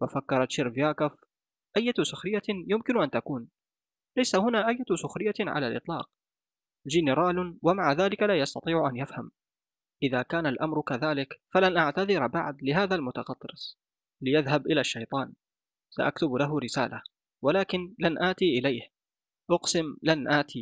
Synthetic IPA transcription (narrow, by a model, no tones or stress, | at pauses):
wafakːɑɾˤɑt̪ʃɪɾvjaːkaf | ʔajːasʊxɾɪjːajʊmkɪnʔant̪akuːn | lajsahʊnaːʔajːasʊxɾɪjːaʕa̰lalʔɨt̪ˤlɑ̰ːq̚ | d͡ʒɪnɪɾaːlwamaʕaðaːlɪkalaːjɑst̪ɑt̪ˤiːʕʊʔanjafham | ʔɪðaːkaːnalʔamɾkaðaːlɪkfalanʔaʕt̪aðɪɾbaʕd̪lɪɦaːðalmʊt̪ɑqɑt̪ˤːɾɪs | lɪjaðhabʔɪlaʃːajt̪ˤɑːn | saʔakt̪ʊblaɦʊɾɪsa̰ːla | walaːkɪnlanʔaːt̪iʔɪlajh | ʔʊqsɪmlanʔaːt̪ʰi